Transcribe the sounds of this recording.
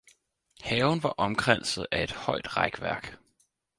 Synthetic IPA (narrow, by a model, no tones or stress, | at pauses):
hɛːʊnʋɑ̈ʔɒ̽mɡ̥ʁan̰sð̩ˠæe̝d̥hɒ̽ɪd̥ʁɑɡ̥ʋæɐ̰ɡ̥